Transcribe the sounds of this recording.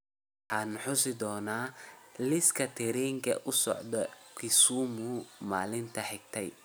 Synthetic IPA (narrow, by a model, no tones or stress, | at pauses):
wħɑːnħʊsɪd̪ɔːnaːlɪskʰɐt̪ʰɛɾɛːŋkʰɐ̰ʔʊsɔ̰ʕd̪ɔkʰɪsuːmʊma̰ːlɪnt̪ʰɐħɪɡ̚t̪ʰɛj